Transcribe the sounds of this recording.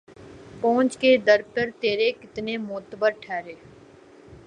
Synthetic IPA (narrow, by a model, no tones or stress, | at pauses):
põːnt͡ʃked̪əɾpəɾt̪eːɾekɪt̪nemʊːt̪bəɾʈʰɛːɾeː